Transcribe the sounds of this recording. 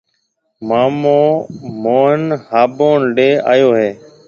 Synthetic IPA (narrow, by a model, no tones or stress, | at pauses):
maːmõːmoːnhaːboːnɖeːa̰ːjoːɦeː